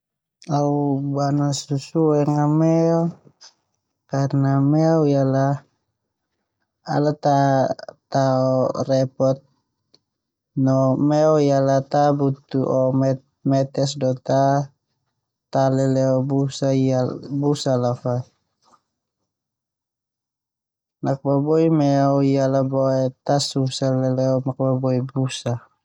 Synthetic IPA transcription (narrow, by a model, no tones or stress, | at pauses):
aubanasusuɛŋamɛɔ | karnamɛaujala | a̰lat̪at̪aɔrɛpɔt̪̚ | nɔmɛɔjalat̪abut̪uʔɔm | mɛt̪ɛs̬dɔt̪a | t̪alɛlɛɔbusaiabusalafa | nak̚babɔimɛɔijalabɔɛt̪asusalɛlɛɔmak̚babɔibusa